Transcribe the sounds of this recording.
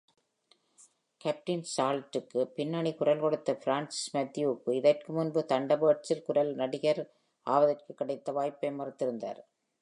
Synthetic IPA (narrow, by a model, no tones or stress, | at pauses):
kɐp̚ʈɪnsaːlɐʈːɯkːɯpɪnːaɳikʊɾɐlkɔɽɯt̪ːɐfɾaːnsɪ̥smɐd̪ːɪjuːkːɯɪðɐrkɯmʊnbɯt̪ɐɳɖɐbɯɐʈt͡ʃɪlkʊɾɐlnɐɽɪɣɐɾ | ʔa̰ːʋɐðɐrkɯkːɪɽɐɪt̪ːɐʋaːjpːɐɪmɐɾɯt̪ːɪɾɯnd̪a̰ːɾ